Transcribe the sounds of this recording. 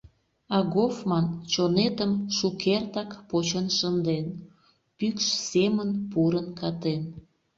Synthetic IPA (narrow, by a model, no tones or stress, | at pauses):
ɑɣofmɑnt͡ɕonet̪əmʃukʰert̪ɑkpot͡ɕənʃənd̪en | pykʃsemənpuɾənkɑt̪en